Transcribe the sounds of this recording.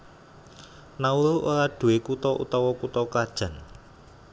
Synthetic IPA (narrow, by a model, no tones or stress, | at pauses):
nauluʔoɾaɖ̥ṳwekut̪ɔʔṵt̪ɔwɔkut̪ɔkad̥ʒ̥ä̤n